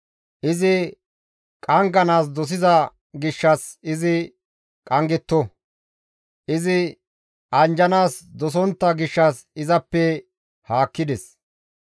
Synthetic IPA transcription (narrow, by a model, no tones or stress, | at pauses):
ʔɪzɪ | kʼɐŋɡɐnaːs̬d̪ɔs̬ɪzɐ | ɡɪʃːɐsɪzɪ | kʼɐŋɡɛt̪ːɔ | ʔɪzɪ | ʔɐnd͡ʒɐnaːsd̪ɔsɔnt̪ːɐɡɪʃːɐs | ɪzɐpːɛ | haːkːɪd̪ɛs